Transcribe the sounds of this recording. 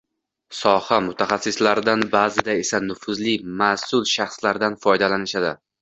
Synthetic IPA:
sɒhamʊt̪ʰaχasːɪslaɾd̪anbaːzɪd̪ae̞sanʊfʊzlimasʊlʃaχslaɾd̪anfɒjd̪alanɪʃad̪ɪ̰

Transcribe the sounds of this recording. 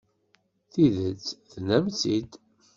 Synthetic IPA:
θiðət͡sːθnæmt͡sid̪

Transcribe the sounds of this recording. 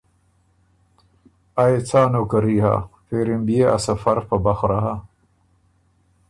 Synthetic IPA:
ajet͡saːnokaɾiha̰feɾɪmbijea̰safaɾpabaxɾaɦa

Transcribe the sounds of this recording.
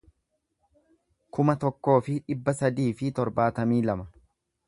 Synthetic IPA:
kʊmɐt̪ɔkːo̞ːfɪᶑɪbːɐsɐd̪iːfɪt̪ɔɾbaːt̪ɐmiːlɐmɐ

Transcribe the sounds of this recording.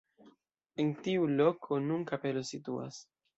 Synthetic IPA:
entiulo̞kʰo̞nunkape̞lositua̰s

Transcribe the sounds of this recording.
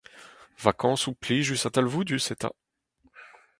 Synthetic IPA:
vakɑ̃supliʒysãt̪alvud̪ysɛt̪a̰

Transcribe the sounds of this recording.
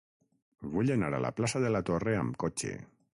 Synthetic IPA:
βuʎenaɾa̰la̰plasaðelat̪oreamkot͡ʃḛ

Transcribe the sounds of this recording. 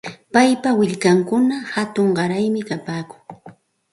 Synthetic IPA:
pajpawɪʎkaŋkʊnahat̪ʊɴɢɑɾajmɪkapaːkʊ̥ŋ

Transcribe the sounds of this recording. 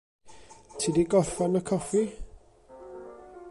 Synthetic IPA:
tʰidiɡɔθanəkʰɔfi

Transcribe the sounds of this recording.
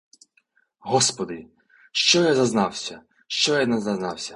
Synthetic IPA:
ɦɔspɔd̪ɪ | ʃt͡ʃɔjazɐznɑwsʲɐ | ʃt͡ʃɔjɐd̪nɛzɐznɑwsʲɐ

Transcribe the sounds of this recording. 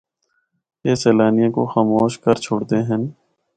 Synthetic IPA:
jeːseːlaːnijãkoxaːmoːʃkəɾt͡ʃʰoːɽt̪eɦɛ̃n

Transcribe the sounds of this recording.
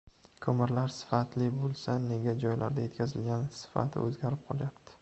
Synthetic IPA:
kʰɵmɪɾlaɾsɪ̥fat̪lɪbolˠsane̞ɡʲad͡ʒɒjlʔa̰ɾd̪aje̞t̪kʲʰazɪlɡʲansɪ̥fa̰t̪ʰɪ̰ɵzɡʲaɾɪp̚qʰɒlˠjapt̪ʰɪ̥

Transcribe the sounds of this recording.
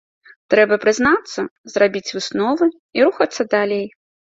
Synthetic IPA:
t̪ɾɛbɐpɾɨznat̪sːɐzrabʲit͡sʲvɨsnɔvɨ | iɾuxɐt̪sːɐd̪alʲej

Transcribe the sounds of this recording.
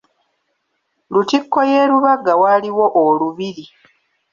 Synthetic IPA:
lutikːo̞jeːɾuβaɡawaːliwo̞ʔoluβiɾi

